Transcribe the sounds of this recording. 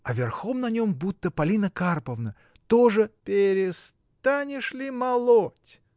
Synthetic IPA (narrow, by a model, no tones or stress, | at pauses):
ɐvʲɪrxomnɐnʲo̞mbut̪ːəpɐlʲinəkarpəvnə | t̪oʐɨpʲɪɾʲɪs | t̪anʲɪʂlʲɪmɐlˠotʲ